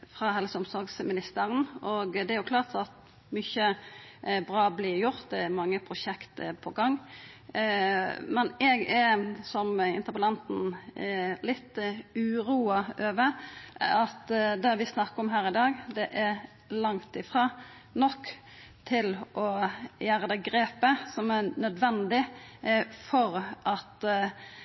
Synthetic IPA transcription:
fʁɑɦɛlsəʊmsɔɾɡsmɪnɪst̪əʁənʔɔɡd̪ɛæɾjʊkʰlɑːʁt̪ɑt̪ | mʏçə | bɾɑːblɪjʊɾt̪̚d̪ɛæɾmɑŋːəpʰʁʊʃɛkt̪əpʰɔɡɑŋː | mɛnɛɡɛɾsɔmɪ̰nt̪əʁpəlɑnt̪n̩ | lɪt̪ːʉːɾuːɑøːʋə | ɑt̪d̪ɛʋɪsnɑkːəɔmɦæːɾɪd̪ɑːɡd̪ɛʔæ | lɑŋt̪ɪfɾʁɑː | nɔkː | t̪ʰɪlʔɔjæːɾəd̪ɛɡɾeːpəsɔmæɾnœd̪ʋɛnd̪ɪ | fɔɾʔɑt̪

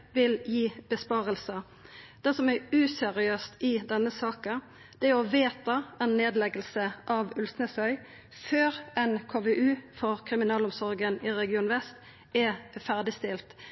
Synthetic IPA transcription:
ʋɪljiːb̥əspɑːʁəlsə | d̪̥ɛsɔmæʉːsɛɾɪøːst̪ɪd̪ɛnːəsɑːkə | d̪̥ɛɔʋeːt̪ɑɛnːeːd̪lɛɡəlsəʔɑʋʉlsnəsœʏ | føːʁɛnkʰoːʋɛʔʉːfɔʁkʰɾɪmɪnɑːlʊmsɔʁɡənɪʁɛɡɪuːnʋɛst̪ | ɛfæʁd̪ɪst̪ɪlt̪

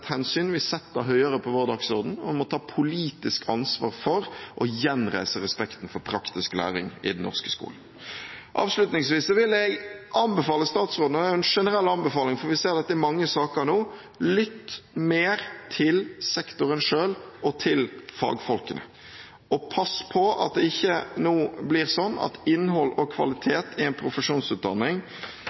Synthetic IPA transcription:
t̪hɛnsyːnʋɪsɛt̪ːəɦœʏəɾəpʰɔʋoːɾd̪ɑːɡsɔʁd̪n̩ɔʋɪmɔt̪ʰɑːpʰʊliːt̪ɪskʰɑnsʋɑ̰ːʁfɔɾʔɔjɛnɾæ̰ɪsəɾɛspɛkt̪nfɔɾpʰɾɑkt̪ɪsklæ̰ːɾɪ̰ŋɪ̰d̪n̩ːɔ̰ʁskə̥skṵːln̩ | ʔɑ̰ːʋslʉt̪nɪŋsʋiːsːɔʋɪlːɛɡʔɑnbɛfɑːləst̪ɑːt̪sʁoːd̪nəd̪æːʊɛnʂɛnəɾɛlːɑnbəfɑːlɪŋfɔɾʋɪseːɾd̪ɛt̪ːəɛmɑŋːəsɑːkəɾnoː | lɪt̪ːmeːɾt̪ʰɪlsɛkt̪ʊɾənʂøːlɔt̪ʰɪlfɑ̰ːɡfɔlkənə̰ | ɔpʰɑspʰɔɑ̰t̪̚d̪ɛɪçːənuːblɪʁsɔnːɑ̰t̪ɪnːɦɔlːɔkʰʋɑ̰lɪt̪ʰeːt̪ʰɪɛɪnpʰɾʊfəʂuːnsʉːt̪̚d̪ɑnːɪŋ

